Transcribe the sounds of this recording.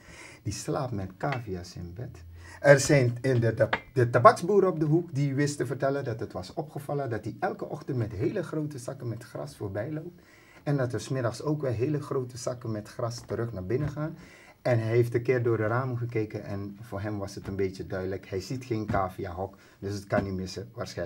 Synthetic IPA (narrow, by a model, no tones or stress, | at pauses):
d̥islaːpmɛtkaːviasɪ̰nbɛtɛrzɛjnɪnədətabɑkzbuːɾəɔb̚dəɦukdiʋɪstəvərtɛləndɑtɦətʋɑsɔpχəvɑlˠəndɑt̚diʔɛlˠkəʔɔχtəntmɛtɦeːləχrowtəsɑkənmɛtχrɑ̰sfoːɹbɛjlowp̚t | ɛndɑtərsmɪdɑχsoːkʋɛlˠɦeːləχrowtəsɑkənmɛtχrɑstəɾɵxnaːɹbɪnəχaːn | ɛnɦɛjɦeftəkɪːrdʊːɹdəraːməχəkeːkənʔɛ̰nvoːɹɦɛmʋɑsətənbeːtjədœɥdələkhɛjzitχeːnkaːviaɦɔk | døsətkɑnimɪsəʋaːrsɛ